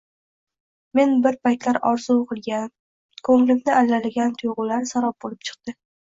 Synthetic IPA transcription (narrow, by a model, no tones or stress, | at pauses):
me̞nbɪɾpʰajt̪laɾɒɾzuqʰɨlˠɡʲan | kʰɵŋlɪmʲnɪʔalːalɪɡʲant̪ʰʊjʁʊlaɾsaɾɒp̚bolɪp̚t͡ʃʰɨ̥q̚t̪ɪ